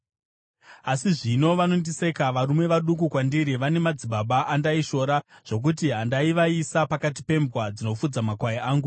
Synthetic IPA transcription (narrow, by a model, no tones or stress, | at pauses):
asiʐino̞ʋano̞ndise̞kaʋaɾume̞ʋaɗukukwandiɾiʋane̞mad͡ziɓaɓaʔandaiʃo̞ːɾaʐ̥o̞k̬ut̬iɦandaiʋaisapakat̬i̥pe̞mbwad͡zino̞fud͡zamakwajeaːŋɡu